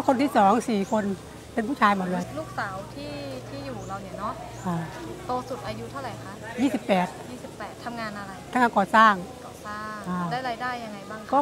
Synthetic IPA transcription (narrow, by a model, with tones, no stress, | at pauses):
a˦˥˩kʰo˧nt̪ʰiː˥˩sɔː˩˦ŋsiː˨˩kʰo˧n | pe˧npʰuː˥˩aː˧jmoː˨˩t̪lɤː˧jluː˥˩k̚saː˩˦wt̪ʰiː˥˩t̪ʰiː˥˩juː˨˩ɾa˧wni˧˩ɐnɔ˦˥ʔ | ʔaː˧t̪oː˧su˨˩t̪̚ʔaː˧ju˦˥t̪ʰa˥˩ɾa˨˩jkʰa˦˥jiː˥˩si˨˩pːɛː˨˩t̪̚jiː˥˩si˨˩pːɛː˨˩t̪ʰːa˧mŋaː˧nʔa˧ɾa˧j̪ʰa˧˥ŋaː˧ŋkɔː˨˩saː˥˩ŋ˧˩ | saː˥˩ʔaː˧˩lɛ˦˥ɾaː˧jdaː˥˩jːa˧ŋːa˧jbaː˥˩ŋkɔː˥˩